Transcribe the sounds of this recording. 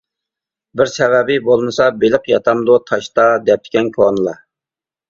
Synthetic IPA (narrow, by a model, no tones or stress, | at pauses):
bɪɾsɛvɛbɪbolˠmɨsɑbeləqjɑ̰t̪ʰɑmd̪ut̪ʰɑʃt̪ɑd̪ɛp̚t̪ʰɪ̥kʲɛnkʲʰonɨlˠɑ